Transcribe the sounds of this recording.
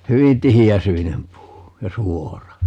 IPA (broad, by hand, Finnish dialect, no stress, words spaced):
hyʋin tihiæsyinem puː jɑ suorɑ